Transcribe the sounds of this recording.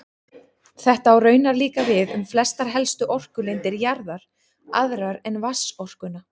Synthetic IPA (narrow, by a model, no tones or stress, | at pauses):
θɛht̪aːwrœːɥnaɾliːkavɪðʏmflɛst̪aɾ̥ɦɛlst̪ʏʔɔr̥kʏlejnt̪ɪɾjaɾðaɾ̥ | aðɾaɾɛnvasɔr̥kʏna